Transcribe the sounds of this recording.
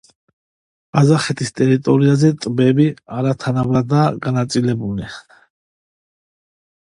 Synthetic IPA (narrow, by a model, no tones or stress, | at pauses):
azaχɛt̪ʰist̪ʼɛɾit̪ʼɔɾiazɛt̪ʼbɛbiaɾat̪ʰanabɾad̪aɡanat̪sʼilɛbulɛ